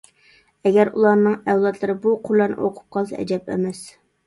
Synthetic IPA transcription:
ɛɡʲæɾulˠɑɾnɨŋɛwlˠɑt̪lˠɨɾɨbuqʰʊɾlːɑɾnɨ̰ʔoqʰʊ̥p̚qʰɑlˠsɛ̰ɛ̰d͡ʒɛpɛ̰mɛs

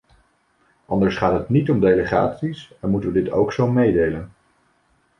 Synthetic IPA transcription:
ʔɑndəɹsχaːtɦətnitɔmdejləχa̰ːtsisɛnmutəʋədɪto̰wksowmejdejlən

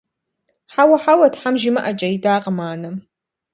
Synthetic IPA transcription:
ħawaħawadʰħamʒimɨʔat͡ʃʼɐidaːqʼamaːnɨ

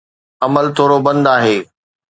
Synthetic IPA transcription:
ɐməlt̪ʰoːɾobɐ̃nd̪aːɦeː

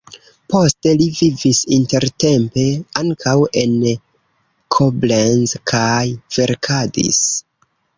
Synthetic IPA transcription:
po̞ste̞livivisinte̞ɾte̞mpe̞aŋkʰawe̞n | kʰoblenzkʰajv̥e̞ɾkʰadḭs

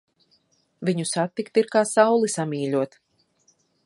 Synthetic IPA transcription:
vʲiɲusat̪ːikt̪iɾkaːsawlˠisamʲiːlʲuɔt̪

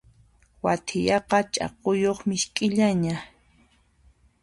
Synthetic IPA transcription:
wat̪ʰɪjɑqɑt͡ʃʼɑ̰qojoχmɪʃkʼɪʎaɲa

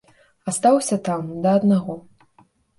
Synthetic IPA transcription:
ast̪awsʲɐt̪amd̪ɐːd̪naɣɔ

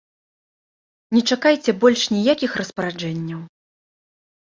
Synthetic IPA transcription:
nʲɛt͡ʂakajt͡sʲɛbɔlʲʂnʲijakʲixrɐspɐɾad͡ʐɛnʲːɐw

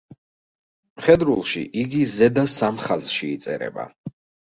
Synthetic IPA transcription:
χɛd̪ɾulˠʃḭʔiɡizɛd̪asamχazʃiːt̪sʼɛ̰ɾɛ̰ba̰

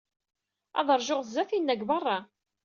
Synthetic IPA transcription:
ɑ̰ðˤəɾˤʒoʁzːæθinːæɡbɑrˤːɑ

